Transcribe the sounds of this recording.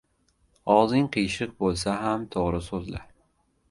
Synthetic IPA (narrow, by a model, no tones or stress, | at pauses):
ɒzɪŋqʰɨjʃɨq̚bolˠsaɦamt̪ʰoʁɾɪsɵzla̰ɾ